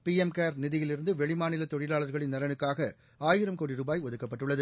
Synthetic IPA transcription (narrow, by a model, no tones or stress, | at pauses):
piɛmkaːɾnɪðɪjɪlɪɾɯnd̪ɯʋɛɭɪmaːnɪlɐt̪ɔɻɪlaːɭɐɾɣɐɭɪnːɐɾɐnɯkːaːɣɐ | aːjɪɾɐmkoːɽiɾuːbaːjʋɐðɯkːɐpːɐʈːɯɭːɐðɯ